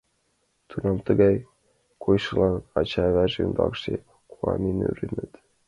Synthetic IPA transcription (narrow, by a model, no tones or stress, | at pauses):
t̪ʰunɑmt̪əɡɑj | kʰojʃɤlˠɑnɑt͡ɕɑβæʒind̪ɑ̰kʃe | kʰuɑ̰mʲiny̰ɾinɘt̪